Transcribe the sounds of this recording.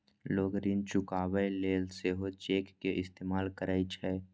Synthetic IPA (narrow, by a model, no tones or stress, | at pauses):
loːɡɾint͡ʃʊkaːʋəleːlseɦot͡ʃeːkːeʔɪst̪eːmaːlkəɾaːit͡ʃʰɛ